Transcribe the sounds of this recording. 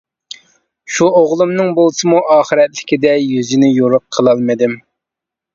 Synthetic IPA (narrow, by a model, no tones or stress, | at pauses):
ʃuoʁlˠumnɨŋbolˠsɨmuʔɑːχɨɾɛt̪lɪ̥kʲid̪ɛjyzinɪjoɾʊqʰːəlˠɑlˠmɨd̪ɪm